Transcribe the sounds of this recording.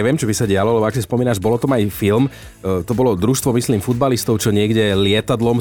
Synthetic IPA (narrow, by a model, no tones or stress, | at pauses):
ɛʋɪɛmt͡ʃɔbisaɟɪalɔlɛbɔaksispɔmiːnaʒbɔlɔt̪ɔmajfilm | t̪ɔbɔlɔd̪ɾuʃt̪ʋɔmisliːmfud̪̚balist̪ɔʊt͡ʃɔɲɪɛɡɟɛlɪɛt̪ad̪lɔm